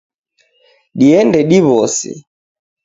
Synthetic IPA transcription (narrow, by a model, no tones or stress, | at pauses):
ɗiɛndɛɗiβɔsɛ̰